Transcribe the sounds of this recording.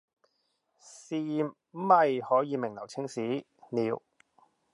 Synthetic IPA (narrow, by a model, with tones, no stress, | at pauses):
siː˧m̩˦ | mɐ˨jhɔː˨˥jiː˨˧mɪ˨˩ŋlɐ˨˩wt͡sʰɪ˥ŋsiː˨˥ | niː˨˧w